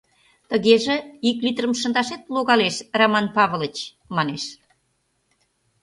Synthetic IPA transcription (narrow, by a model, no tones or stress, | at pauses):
t̪əɣeʒĕiklit̪rəmʃə̆nd̪ɑʃet̪̚loɣɑleʃramɑnpɑβələt͡ɕ | mɑneʃ